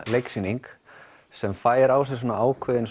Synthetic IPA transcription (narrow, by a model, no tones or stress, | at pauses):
lejksiniŋk | sɛmfaːjɪɾaws̬ɛs̬oːnaaːwkʰvɪðɪn